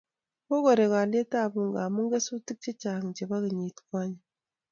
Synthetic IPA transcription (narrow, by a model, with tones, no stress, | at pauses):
ko˦ɡɔ˨ɾe˨ka˨le˦ta˦˨bu˦ŋ˨ɡa˨mu˦ŋ˦ɡe˦su˦ti˦k̚t͡ʃe˦t͡ʃa˨ŋ̩˨d͡ʒe˨ba˦ki˨ɲi˨tka˦ɲe˨